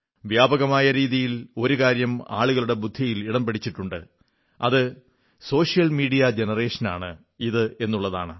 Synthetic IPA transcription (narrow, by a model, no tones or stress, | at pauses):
ʋjaːbɐɣɐmaːjɐɾiːðijilo̞ɾukaːɾjɐma̰ːɭuɣɐɭuɽe̞bud̪ʱːijiliɽɐmpeɽit͡ɕːiʈːuɳɖɨ̰ | ɐ̰ðɨ | so̞ːʂijɐlmiːɽijɐd͡ʑenɐre̞ːʂɐna̰ːɳɨ | iðɨe̞nːuɭːɐða̰ːɳɨ